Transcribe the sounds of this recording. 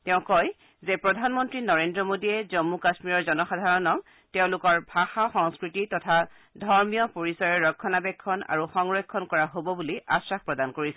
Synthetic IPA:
tɛʊ̃kɔj | zepɹɔdʱanmɔntɹinɔɹendɹɔmodiɛzɔmːukasmiɹɔɹzɔnɔxadʱaɹɔnɔk | tɛʊ̃lʊkɔɹbʱaxaxɔŋskɹititɔtʰa | dʱɔɹmijɔpoɹisɔɹɛɹɔkʰːɔnabɛkʰːɔna̰ɹuxɔŋɹɔjkʰːɔnkɔɹaɦobɔbuliasɹakpɹɔdankoɹisɛ

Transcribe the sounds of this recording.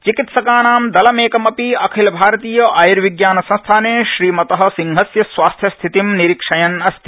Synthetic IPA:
t͡ʃikit̪sɐkaːnaːmd̪ɐlɐmeːkɐmɐpiɐkʰilɐbʱaːɾɐt̪iːjɐʔɐjiɾʋiɡjaːnɐsɐ̃nst̪ʰaːneːʃɾiːmɐt̪ɐɦɐ̆siŋɦɐsjɐsʋaːst̪ʰjɐst̪ʰit̪imniɾikʂɐjɐnɐst̪ʰi̥

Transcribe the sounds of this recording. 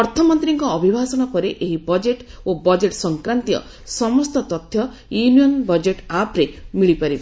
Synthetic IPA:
ɔɾt̪ʰɔmɔnt̪ɾiŋkɔːbʱibʱasɔɽ̃ɔpɔɾeʔeɦibɔd͡ʒeʈ | obɔd͡ʒeʈsɔŋkɾant̪ijɔ̰ | sɔmɔst̪ɔt̪ɔt̪ʰjɔ | junijɔnbɔd͡ʒeʈapɾemiɭipaɾib

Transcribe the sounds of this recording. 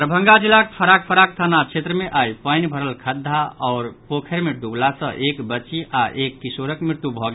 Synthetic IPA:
ɾəbʱə̃ŋɡad͡ʒilːakpʰəɾak̚pʰəɾak̚t̪ʰanat͡ʃʰet̪ɾəmeʔajpəjnbʱəɾəlkʰəd̪ʱːaɔʊɾpokʰeɾmeɖublasə̃ʔekbət͡ʃiʔaʔekːisoɾəkmɾiɾt̪ubʱɔɡ

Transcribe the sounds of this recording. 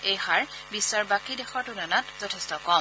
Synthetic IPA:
ejhaɹ | bisːaɹbakidɛxɔɹtunanatzɔtʰɛstɔkɔm

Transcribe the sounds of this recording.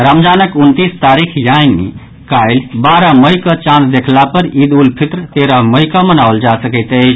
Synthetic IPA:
ɾəmd͡ʒanəkunt̪ist̪aɾikʰjajnḭ | kajlbaɾaməjkət͡ʃãnsd̪ekʰlapəɾid̪ulpʰit̪ɾt̪eɾəməjkəmənawld͡ʒasəkəɪt̪əjt͡ʃʰ

